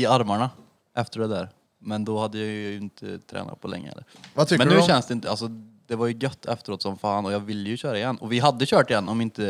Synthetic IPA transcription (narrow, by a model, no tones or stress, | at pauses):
ɪaɾmaɳa | ʔɛft̪əɖɛd̪æːɾ | mɛnd̪ɔhad̪ːəjɑjjɵɪnt̪ʰə̰t̪ʰɾɛ̰ːna̰t̪̚pʰɔlɛ̰ŋːə̰hɛ̰ːəɾvt̪ʏmɛnːʉːɕɛnːəsd̪ɛɪnt̪əalsɔd̪ɛvaɾjɵɡœt̪ːɛft̪əɾoːt̪sɔmfɑːnɔjɑːɡvɪlːəjɵɕœːɾaɪjɛnːɔvɪɦad̪ːəɕœːʈɪjɛnːʔɔmɪnt̪ə